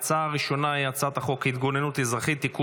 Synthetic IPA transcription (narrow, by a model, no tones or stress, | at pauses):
t͡saaʁiʃo̞naiat͡sat̪aχo̞kit̪ɡo̞nenut̪ezʁaχit̪ːiku